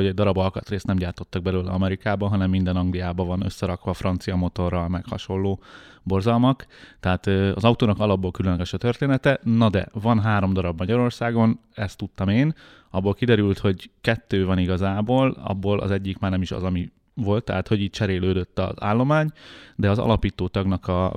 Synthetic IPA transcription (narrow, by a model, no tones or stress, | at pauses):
oɟɛɟd̪ɒɾɒbɒlkɒt̪reːst̪nɛmɟaːrt̪o̞t̪ːɒɡ̚bɛløːlɛ̰ɒmɛɾikaːbɒɦɒnɛmːind̪ɛnɒŋɡlijaːbɒvɒnø̰sːɛɾɒkʋɒfrɒnt̪sijɒmo̞t̪o̞rːɒlmɛkhɒ̰ʃo̞lːoːbo̞rzɒlmɒkt̪ɛɦaːt̪øɒ̰zɒut̪oːnɒkɒlɒbːolkylønlːɛɡɛʃɒt̪ørt̪eːnɛt̪ɛnɒd̪ɛ̰vɒnɦaːɾo̞md̪ɒɾɒbmɒɟɒɾo̞rsaːɡo̞n | ɛst̪ːut̪ːɒmeːn | ɒbːolkid̪ɛɾylt̪ho̞ɟkɛt̪ːøːvɒniɡɒzaːboːlɒ̰bːoːlʔɒ̰zɛɟːikmaːrnɛmiʃɒ̰zɒmi | vo̞lt̪ːɛɦaːt̪hoɟiːc̚t͡ʃɛɾeːløːd̪øt̪ːɒ̰za̰ːlːo̞maːɲd̪ɛɒzɒ̰lɒpiːt̪oːt̪ɒɡnɒkɒ